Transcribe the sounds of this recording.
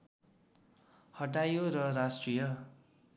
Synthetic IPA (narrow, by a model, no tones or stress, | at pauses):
hʌʈajoɾʌrasʈrijʌ